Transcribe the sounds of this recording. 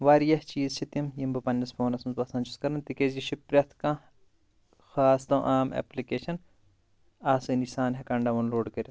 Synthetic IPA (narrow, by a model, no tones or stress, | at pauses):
ʋaːɾjɐht͡ʃiːzt͡ʃʰit̪imjimbɐpɐnʲːɐsfʰoːnɐsmzbɐsɐ̃ːnt͡ʃʰu̥skɐɾɐnt̪ikeziʃʰipɾʲɐt̪ʰkãː | xaːst̪ɐ̃ʔaːmḛːplikeːʃɐn | aːsɨnisaːnɦɐkɐɳɖɐʋɐnloːɖkɐɾʲɐ